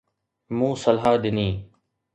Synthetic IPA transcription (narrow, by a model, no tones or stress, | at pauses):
mũːsəlɦaːɗ̪ɪniː